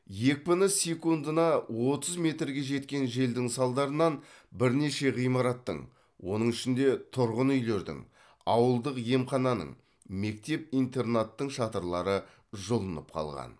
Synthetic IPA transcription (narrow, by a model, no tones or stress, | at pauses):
je̞k̚pɪnəsʲekund̪ənɑwo̞t̪əzme̞t̪ɾɡʲe̞ʒe̞t̪kʲe̞nʒe̞ld̪ɪŋsɑlˠd̪ɑɾənɑnbɪɾne̞ʃe̞ʁijmɑɾɑt̪ːə̰ɴ | wo̞̰nəɴʏʃɪnd̪e̞t̪ʰʊɾʁənʏjle̞ɾd̪ɪ̰ŋ | ɑwəlˠd̪əqje̞mχɑnɑnə̰ɴ | me̞k̚t̪e̞p̚ijnt̪e̞rnat̪ːəɴʃɑt̪əɾlˠɑɾə | ʒʊlˠənə̰p̚qʰɑ̰lˠʁɑ̰n